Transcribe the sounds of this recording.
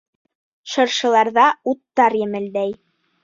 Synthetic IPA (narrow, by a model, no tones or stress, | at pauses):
ʃɤ̆ɾʃɤ̆lˠɑɾðɑut̪ːɑɾjɘ̆mɘ̆ld̪æj